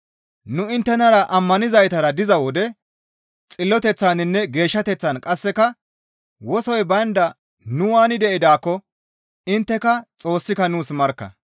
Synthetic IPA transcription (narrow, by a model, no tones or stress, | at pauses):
nʊɪnt̪ːɛnɐɾɐʔɐmːɐnɪzɐjt̪ɐɾɐd̪ɪzɐwɔd̪ɛ | t͡sʼɪlːɔt̪ɛt͡sːaːnɪnːɛɡe̞ːʃːɐt̪ɛt͡sːɐnkʼɐsːɛkɐ | wɔsɔjbɐnd̪ɐ | nʊwaːnɪd̪ɛʔɪd̪aːkːɔ | ɪnt̪ːɛkɐt͡sʼo̞ːsːɪkɐnuːsmɐɾkːɐ̰